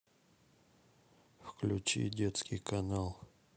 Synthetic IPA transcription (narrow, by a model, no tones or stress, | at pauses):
fklʲut͡ɕḭdʲet̪skʲijkanalˠ